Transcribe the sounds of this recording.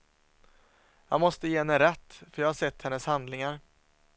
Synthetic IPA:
jɑ̰mɔst̪əjeːɛnɛɾɛt̪ːfœɾjɑːɡhaɾʂsɛt̪ːhɛnːəshand̪lɪŋaɾ

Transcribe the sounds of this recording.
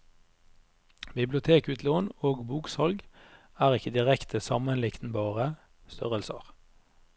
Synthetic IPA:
bɪblɪʊt̪ʰeːkʉːt̪ʰloːnoːɡbuːksɑlɡ | æːʁɪkəd̪ɪʁɛkt̪ʰəsɑmənlɪkt̪n̩bɑːʁə | st̪ʰœʁəlsə̰ʁ

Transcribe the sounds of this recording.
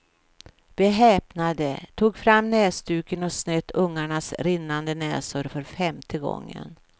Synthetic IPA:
vɪɦɛːpnad̪ət̪ʰuːɡfɾamːnɛːst̪ʉ̟ːkənɔsnɛt̪ʰːɵŋːaɳasɾɪnːand̪ənɛ̰ːsʊɾfœɾfɛmt̪ʰəɡɔ̰ŋːə̰n

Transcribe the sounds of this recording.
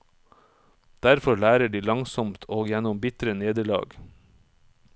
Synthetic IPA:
d̪̥æɾfɔɭæːɾəɖiːlɑŋsɔmt̪ʰoːɡjænɔmbɪt̪ɾəneːd̪əɭɑ̰ːɡ

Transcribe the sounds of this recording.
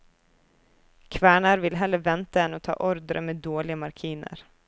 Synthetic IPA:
kʰvæːɳaɾvɪlɦɛlːəɾvɛnt̪aɛnɔt̪ʰɑ̰ːʔɔɾd̪ɾə̰meːd̪oːlɪɡamaɾkʰiːnə̰ɾ

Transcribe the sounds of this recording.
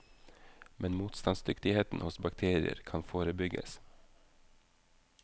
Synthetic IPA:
mʔɛnmuːt̪st̪ɑnsd̪ʏkt̪ɪheːt̪n̩hʊsbɑkt̪ʰeːɾɪə̰ɾkʰɑnfoːɾəbʏɡə̰s

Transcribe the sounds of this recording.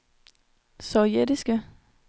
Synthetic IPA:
sɒʊjed̥isɡ̥ə

